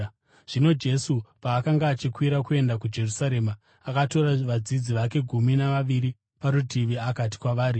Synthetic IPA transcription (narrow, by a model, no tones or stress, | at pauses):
ʐ̥ino̞d͡ʒe̞supaːkaŋɡaːt͡ʃikwiɾakue̞ndakud͡ʒe̞rusaɾe̞ma | akato̞ɾaʋad͡zid͡ziʋake̞ɡʱuminaʋaʋiɾi | paɾutiʋiakati̥kwaʋaːɾi